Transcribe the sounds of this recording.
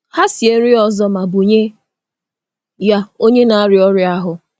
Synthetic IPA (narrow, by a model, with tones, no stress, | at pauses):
ha˦si˨e˦n̩˦ɪ˦ɔ˨zɔ˦ma˨bu˨ɲe˦ | ja˦o˦ɲe˦na˨a˦ɾɪ˨˦ɔ˦ɾɪ˦a˦ɦʊ˨